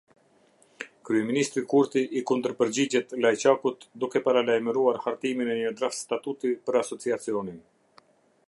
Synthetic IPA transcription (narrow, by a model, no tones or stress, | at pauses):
kɾyɛminist̪ɾikuɾt̪iʔikund̪əɾpəɾd͡ʑid͡ʑɛt̪lajt͡ɕakut̪d̪ukɛpaɾalajməɾuaɾhaɾt̪iminɛɲəd̪ɾafst̪at̪ut̪ipəɾasɔt͡siat͡siɔnin